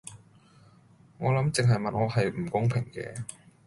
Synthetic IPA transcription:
ŋɔː˨˧lɐ˨˥mt͡sɪ˨ŋɦɐ˨jmɐ˨nŋɔː˨˧ɦɐ˨jm̩˨˩kʊ˥ŋpʰɪ˨˩ŋkɛ̰ː˧

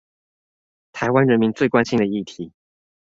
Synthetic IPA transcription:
t̪ʰa˧˥ɪwa˥˦nɻə˧˥nmi˧˥ŋt͡swe˥˩ɪkwa˥nɕi˥ŋd̪ə˩i˥˩t̪ʰi˨˩˦

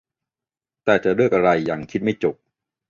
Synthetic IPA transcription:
t̪ɛː˨˩t͡ɕa˨˩ɾu˥˩ək̚ʔa˧ɾa˧jːaː˨˩ŋkʰi˦˥t̪̚ma˥˩jt͡ɕo˨˩p̚

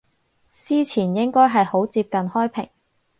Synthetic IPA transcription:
siː˥t͡sʰiː˨˩njɪ˥ŋkɔː˥jɦɐ˨jho˨˥wt͡siː˧p̚kɐ˨nhɔː˥jpʰɪ̰˨˩ŋ

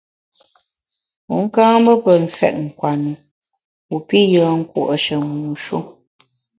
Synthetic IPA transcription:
u˨˦ŋ̩˦kãː˦bə˦pə˨m̩˨fɛ̰˨ʔ̚ŋ̩˨kwa˨nɨ˨ | u˨pi˦jəː˨˦ŋ̩˦kṵ˦˨ʔə˨ʃə˨muː˨ʃu˦

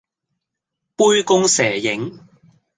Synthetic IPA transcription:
puː˥jkʊ˥ŋsɛː˨˩jɪ˨˥ŋ

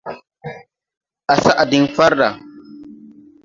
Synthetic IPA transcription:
ʔa˨sa˦ʔa˨di˦nfa˦ɾːa˨

